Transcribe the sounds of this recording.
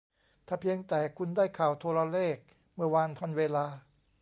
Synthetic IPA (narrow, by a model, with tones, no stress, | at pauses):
t̪ʰaː˧˩pʰi˧əŋt̪ɛː˨˩kʰu˧ndaː˥˩jkʰaː˨˩wt̪ʰo˧ɾa˧leː˥˩k̚ | mɯ˧˩ɐwaː˧nt̪ʰa˧nweː˧laː˧